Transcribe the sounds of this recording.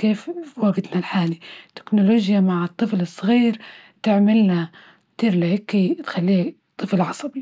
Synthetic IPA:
keːfwaɡɪd̪nalħaːlit̪ːɪ̥knʊloːʒjamaʕɨt̪ˤːɨflɨsˤːɣiːɾt̪ɪʕmɪlna | kt̪iːɾlɪhɪkːit̪xalːiː | t̪ˤːɨflʕɑsˤɑbi

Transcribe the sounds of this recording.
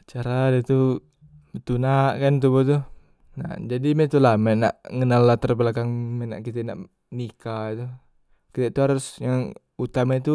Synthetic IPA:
t͡ʃaɾadɛt̪u | bət̪unaʔkant̪̬ubɔt̪u | na̰d͡ʒadimɛt̪ulamɛna̰ʔŋənalːaht̪ərbəlakaŋmɛna̰ʔkit̪ɛʔna̰ʔ | nikait̪u | kit̪et̪uɦaɾʊsjaŋ | ut̪amɛt̪u

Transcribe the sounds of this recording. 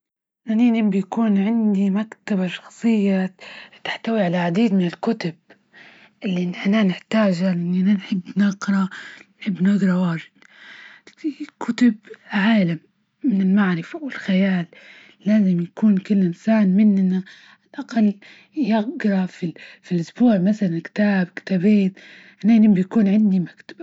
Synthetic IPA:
naninɪmbjakuːnʕɪnd̪imakt̪abaʃɑ̥xsˤɨjːat̪ɪ̥ħt̪awiʕalaʕad̪iːd̪mɪnɪlkʊt̪ʊb̚ | ʔɪlːiʔnʔananɪħt̪aːd͡ʒalʔɪnːiʔananħɪbːnaɡɾˤɑnħɪbːnɑɡɾˤɑwaːʒɪd̪ | kʰʊt̪ʊbʕaːlamː | ɪnɪlmaʕɾɪfawɪlxajaːlː | aːzɪmjakuːnkʊlːʔɪnsaːnmɪnʔɪnːa | alʔaqalː | jɪɡɾˤɑfifilʔʊsbuːʕmaθalankɪ̥t̪aːbkt̪abeːt̪ | ʔanːanɪmbijakuːnʕɪnd̪imakt̪ḁb̥a

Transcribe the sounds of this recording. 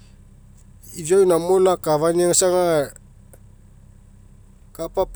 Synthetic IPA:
id͡ʒojnamolakaβaniaŋasaŋa | kapap

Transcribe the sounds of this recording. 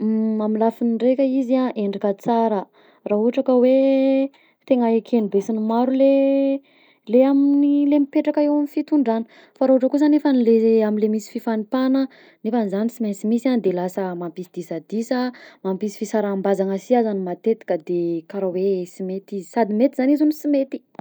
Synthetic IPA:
mamilafiniɳɖ͡ʐekʲəizaʔeɳɖ͡ʐikət͡saɾə | raɦuɦaʈ͡ʂakəwe | t̪eŋaekʰenibesinimaɾule | leaminilemipeʈ͡ʂakəewamifit̪uɳɖ͡ʐani̥ | faɾauaʈ͡ʂəkus̬anefənileaminlemisi̥fifanipanə | nefanizanisiment͡simisand̪elasəmampisid̪isad̪isəmampisi̥fisaɾambazaŋəsiazanimat̪et̪i̥kəd̪ekaɾawesimet̪izisad̪imet̪izanizunisimet̪i̥

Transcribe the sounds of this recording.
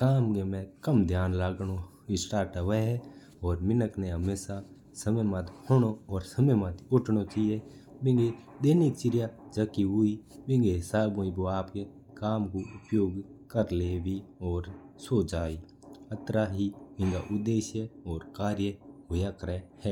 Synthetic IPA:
kaːmkemẽkəmd̪ʱjaːnlaːɡɽ̃o | ɪsʈaːɾʈəʋəɦɛ | ɔːɾmɪnəkneɦəmeːsa | səməjmət̪hoɽ̃oɔːɾsəməmət̪ʊʈʰɽ̃ot͡ʃije | bɪ̃ŋɡe | d̪eːnik̚t͡ʃɪɾjad͡ʒəkiɦuibɪ̃ŋɡeɦɪsaːbõĩboaːpke | kaːmkoʊpjoːɡkəɾleːʋiɔːɾsoːt͡ʃaːi | ət̪ɾaɦibɪ̃ŋɡaʔʊd̪ːeːʃjəɔːɾkaːɾjəɦʊjakɾəhɛː

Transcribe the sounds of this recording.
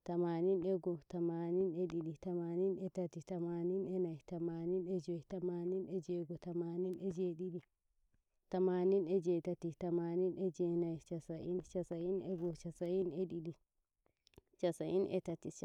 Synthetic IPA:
tamaːninɛɡɔtamaːninɛɗiɗitamaːninɛtatitamaːninɛnajtamaːninɛd͡ʒɔjtamaːninɛd͡ʒɛɡɔtamaːninɛd͡ʒeɗiɗi | tamaːninɛd͡ʒɛtatitamaːninɛd͡ʒɛnajt͡ʃasaʔint͡ʃasainɛɡɔt͡ʃasajinɛɗiɗi | t͡ʃasaʔinʔɛ̰tatit͡ʃ

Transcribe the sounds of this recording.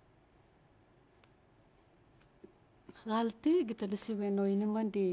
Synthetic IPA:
ɣaltiɡitalisiβenojnimandi

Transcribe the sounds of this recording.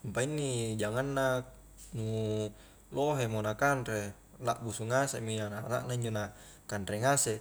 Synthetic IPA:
mpainːid͡ʒaŋanːa | nu | loɦemonakanɾe | laʔbusuŋaseʔmianala̰ʔnaiɲd͡ʒona | kanɾeŋase

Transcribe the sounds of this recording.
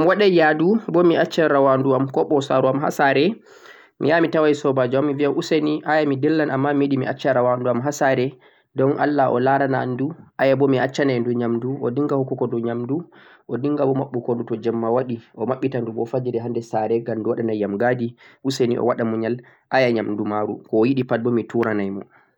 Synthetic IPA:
mwaɗajadubɔmiat͡ʃːaɾawanduamkɔɓɔsaɾuamɦa̰saɾɛ | mḭjamitawajsɔbad͡ʒuamːiviaʔuseniʔajamidɛlːanʔamːamiiɗimḭʔat͡ʃːaɾawanduamɦasaɾɛ | dɔnʔa̰lːaʔɔ̰laɾana̰nduʔajabɔmiat͡ʃːanajnduɲamduɔ̰diŋɡahɔkːukɔdɔɲamdu | ʔɔdiŋɡabɔmaɓːukondutɔd͡ʒɛmːawaɗiʔɔmaɓːitandumɔfad͡ʒiɾɛɦandɛsaɾɛɡanduwaɗanajːamɡadiʔusenḭʔɔ̰waɗamuɲal | ʔajaɲamdumaɾṵkɔːjiɗipat̚bɔmituɾanajmɔ̰

